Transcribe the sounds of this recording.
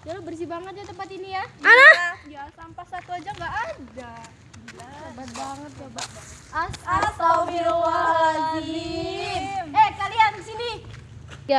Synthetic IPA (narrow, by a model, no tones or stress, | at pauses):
d͡ʒalubərs̬ibaŋət̪̚d͡ʒat̪əmpat̪inijaalajasampasat̪uad͡ʒaŋɡaʔada | lasəbat̪̚baŋət̪̚jabaʔ | aasamiɾoaaiɡini | ɛhkaliandisini | ja